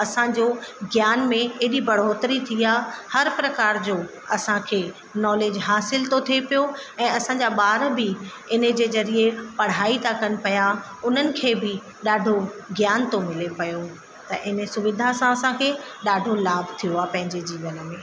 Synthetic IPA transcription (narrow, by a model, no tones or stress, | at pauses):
ɐsãd͡ʑoɡjaːnmẽeɦɗibɐɽ̤oːt̪ɾit̪ʰiaːhɐɾpɾɐkaːɾd͡ʑoː | ɐsãkʰeː | nɔːleːd͡ʑɦaːsɪlt̪ot̪ʰiepijoɛ̃ːɐsãɲd͡ʑaːɓaːɾbɪ | ɪnə̆d͡ʑeːzɐɾiepɐɽ̤aːit̪ʰakɐnɪ̆pɐja | ʊn̤ənɪ̆kʰeːbɪ | ɗaːɖʱoɡjaːnt̪omɪlepɐjo | t̪ɐʔɪnəsʊʋɪd̪ʱasãɐsãkʰeːɗaːɖʱolaːbt̪ʰijoaːpɐ̃ɦɪ̃ɲd͡ʑed͡ʑiːʋənəmẽː